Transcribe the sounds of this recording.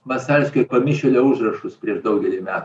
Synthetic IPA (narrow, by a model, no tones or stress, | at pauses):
ʋɐsʲɛlʲsʲkʲoɪpɐmʲɪʃʲɛlʲoʊʒrɐʃʊspʲɾʲiɛʒd̪ɐʊɡʲɛlʲɪmʲæːt̪